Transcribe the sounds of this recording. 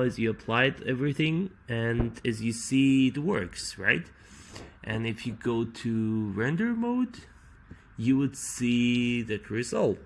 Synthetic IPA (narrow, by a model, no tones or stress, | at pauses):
ɨzjɨəpʰl̥aɪdɛvɹiθɪ̃ŋ | ɨ̃nɨzjɨsiðəwɜ˞ksɹa̰ɪt | ʔɨ̃nɨfjɨɡoʊtʰɨɹɛ̃ndə˞moʊd | jɨwɨdsiðɨt̚ɹɨzʌlˠt